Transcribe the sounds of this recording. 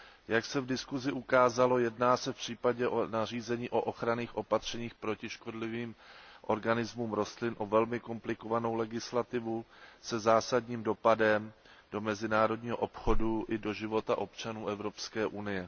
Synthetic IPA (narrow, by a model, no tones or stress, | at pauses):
jaksɛvdɪskuzɪʔukaːzalo̞jɛdnaːsɛfpr̝̥iːpaɟɛʔonar̝iːzɛɲiːʔo̞ʔo̞xɾaniːxʔo̞pat̪r̝̥ɛɲiːxpɾo̞cɪʃko̞dlɪviːmʔo̞ɾɡanɪzmuːmɾo̞st̪lɪnʔo̞vɛlmɪko̞mplɪko̞vano̞wlɛɡɪslat̪ɪvusɛzaːsadɲiːmdo̞padɛmdo̞mɛzɪnaːɾo̞dɲiːɦoʔo̞pxo̞duʔɪdo̞ʒɪvo̞t̪aʔo̞pt͡ʃanuːʔɛvɾo̞pskɛːʔunɪjɛ